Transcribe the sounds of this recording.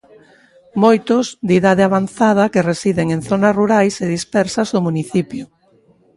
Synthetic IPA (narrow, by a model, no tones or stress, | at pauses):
mojt̪ʊzd̪iðaðɪaβ̞anθað̞ɐkeresiðeŋeŋθonasruɾajseðispɛɾsɐzʊmuniθipjʊ